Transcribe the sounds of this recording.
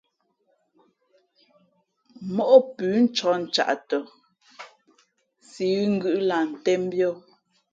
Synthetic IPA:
mɔ˦ʔɔ˦pʉː˨˦n̩˦t͡ʃɔ˨˦n̩˨t͡ʃa̰˨ʔtɔ˨ | si˨˦ɣŋ̩˦ɡʉ˦ʔla˨n̩˨tɛ˦m˦bjɔ˦˨

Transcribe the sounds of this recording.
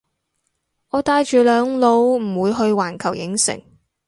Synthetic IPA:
ɔː˨˧t̪aː˧jt͡ʃyː˨lœː˨˧ŋlo˨˧˥wm̩˨˩wuː˨˧jɦɵ˧ɥwaː˨˩nkʰɐ˨˩wjɪ̰˨˥ŋsɪ̰˨˩ŋ

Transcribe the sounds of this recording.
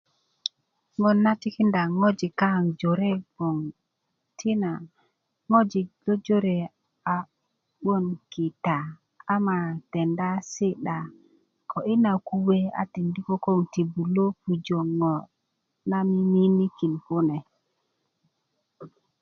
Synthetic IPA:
ŋo˨nːa˦ti˦ki˦nda˨ŋo˦d͡ʒi˨ka˦˨ŋd͡ʒo˨ɾe˦ɡo˨ŋ | tʰi˦na˨ | ŋo˦d͡ʒi˨lo˦d͡ʒo˦ɾe˨ | a˨ | ɓo˦nki˨ta˨ | a˦ma˨te˨nda˦si˦ɗa˨ | kʰo˨ʔi˦na˨ku˦we˦a̰˨ti˨ndi˦ko˦ko˦ŋti˨bu˨lo˦pu˨d͡ʒo˨ŋo˨ | na˦mi˦mi˦ni˦ki˨nko˦ne˨

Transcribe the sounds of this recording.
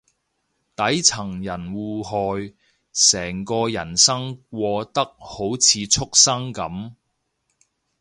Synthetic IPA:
t̪ɐ˨˥jt͡sʰɐ˨˩ŋjɐ˨˩nwuː˨˩ɦɔː˨j | sɛː˨˩ŋkɔː˧jɐ˨˩nsɐ˥ŋk̚ʷɔː˧t̪ɐ˥k̚ho˨˥wt͡sʰiː˨˧t͡sʰʊ˥k̚sɐ˥ŋkɐ˨˥m

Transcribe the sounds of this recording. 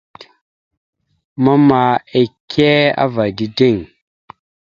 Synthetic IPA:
ma˦ma˨e˨kʰe˦a̰˦va˨di˦de˦˨ŋ

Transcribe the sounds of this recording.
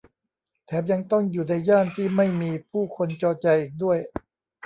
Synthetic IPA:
t̪ʰɛː˩˦˥p̚ja˧ŋt̪ɔ˥˩ŋjuː˨˩na˧jːaː˥˩nt̪ʰiː˥˩ma˥˩jmiː˧pʰuː˥˩kʰo˧nt͡ɕɔː˧t͡ɕa˧jʔiː˨˩k̚du˥˩əj

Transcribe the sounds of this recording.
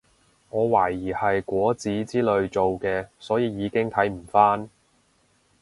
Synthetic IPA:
ŋɔː˨˧waː˨˩jiː˨˩hɐ˨jkʷɔː˨˥t͡siː˨˥t͡siː˥lɵ˨˧ɥt͡so˨wkɛː˧sɔː˨˥jiː˨˧jiː˨˧kɪ˥ŋt̪ʰɐ˨˥jm̩˨˩faː˥n

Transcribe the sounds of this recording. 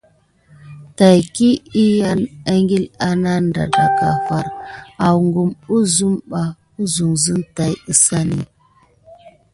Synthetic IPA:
ta˨jki˦i˦ja˦na˦ŋɡi˦la˨na˦nda̰˨da˨ka̰˨fa˨ɾa˨wŋɡu˨mu˦zu˦mɓa˨ | u˦zu˨ŋzu˦nta˨jə˦sa˦nḭ˦

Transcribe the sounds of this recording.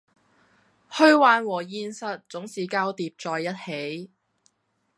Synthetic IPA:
hɵ˥ɥwaː˨˧nwɔː˨˩jiː˧nsɐ˧t̚t͡sʊ˨˥ŋsiː˨kaː˥wt̪iː˨p̚t͡sɔː˨˧jːɐ˥t̚he˨˥j

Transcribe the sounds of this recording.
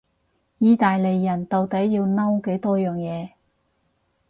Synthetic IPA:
jiː˧t̪aː˨jle˨jːɐ˨˩nt̪o˨˧wt̪ɐ˨˥jːiː˧wnɐ˥wke˨˥jt̪ɔː˥jœː˨ŋjɛː˨˧

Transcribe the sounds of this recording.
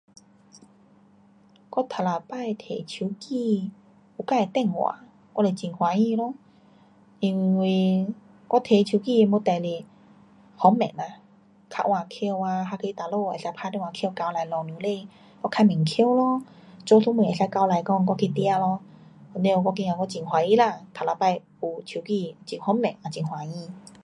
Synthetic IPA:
kɔ˧˦t̪ʰa˨˩la˨˩pa˥˧˨jt̪ʰe˨˩t͡ɕʰu˧˦ki˥˧ | u˨˩ka˥˧˨e˨t̪ɛ˥˧˨ŋwa̰˨˩ | kɔ˧˦le˨˧˩t͡ɕi˨nhwa˨˦ĩ˥˧˨lɔ˧˦ | i˧ŋ˧wi˧˩ | kɔ˦˥t̪ʰe˨˩t͡ɕʰu˧˦ki˥˧˨mo˧˦t̪a˨˩˨le˨˩ | hɔ˨˧˦mɛ˨˩na˨˩ | kʰa̰˧˥ʔwa˧˩kʰi˧wa˧ɦa˧ke˧˦t̪a˨lo˥˧˨e˨˩sa˧jpʰa˧t̪i˧˨wa˨˧˩kʰka˧wla˨˧˦jlɔ˨˩nũ˨˧˦le˧˨ | kɔ˧˦kʰa˧mɛ̃˨˩ŋkʰwlɔ˧˦ | t͡so˧˦sʰu˧˦mũ˧˩˨e˨˩sa˧˦jka˧˦wla˨˧˦jkɔ˧ŋk̬ɔ˧kʰi˧t̪i˧a˧lɔ˧ | ɔ˨˩ne˧˦o˧kɔ˧ki˧ŋa˨kɔ˧˥t͡ɕi˨ŋɦwa˨˧i˧˦˨la˧˨t̪ʰa˨la˧pa˧j | u˨˩t͡ɕʰu˧˩ki˥˧˨t͡ɕi˨˩ŋhɔ˧˦mɛ̰̃˨˩nʔa˨˩t͡ɕi˨˩ŋhwa˨˦i˧˨

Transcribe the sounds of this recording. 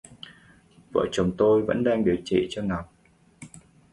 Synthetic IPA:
və̰ː˧˨˩t͡ɕʊ˨˦ŋ͡mt̪o˧jvə̰˧˥nɗaː˧ŋɗi˨˩əwt͡ɕḭ˧˨t͡ɕɔ˧na˨˩wŋ͡m̚

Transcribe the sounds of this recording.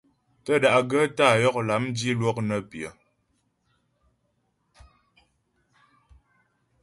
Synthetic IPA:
tə˦da˨ʔɡə˦ta˦˨jɔ˦k̚la˨˦mdi˦lwɔ˦k̚nə˦pjə˨

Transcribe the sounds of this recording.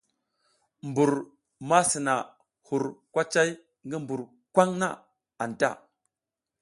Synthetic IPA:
mbu˨ɾ | ma˦si˨na˨ | hu˨ɾkʷa˦t͡ʃa˦j | ŋɡi˦mbu˨ɾ | kʷa˦ŋna̰˦ | a˨n˨ta̰˦˨

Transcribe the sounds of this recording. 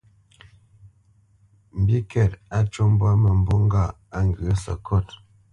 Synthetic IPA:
m̩˨bi˦kɛ˨ta˦t͡ʃo˦m˦bwa˦mə˨m˨bo˦ŋ˦ɡa˦˨ | a˦ŋ˨ɡə˨ə˦sə̰˨kʰɔ˦˨t

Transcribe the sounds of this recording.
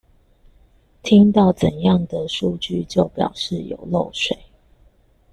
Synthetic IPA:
t̪ʰi˦ŋt̪ɑ˥˩ʊt͡sə˨˩njɑ˥˨ŋd̪ə˨ʂu˥˧t͡ɕy˥˨t͡ɕjo˥˩ʊpjɑ̰˨˩ʊʂɻ̩˥˨jo̰˨˩ʊlo˥˨ʊʂwe˨˦ɪ

